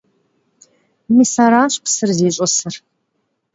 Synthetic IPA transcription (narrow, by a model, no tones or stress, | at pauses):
misaːɾaːɕpʰsɨrzeːɕʼɐsɨr